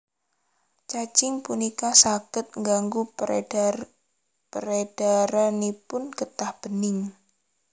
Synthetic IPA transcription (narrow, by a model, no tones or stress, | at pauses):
t͡ʃat͡ʃɪŋpunikasakɪt̪̚ŋɡaŋɡu | pəɾed̥aɾanipʊnɡət̪ahb̥ənɪŋ